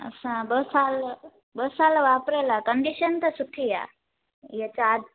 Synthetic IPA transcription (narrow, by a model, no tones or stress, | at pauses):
ə̰sãbəsal | bəsalʋapɾajlakəɳɖiɕənt̪əsuʈʰija̰ | jɛt͡ɕaːd̪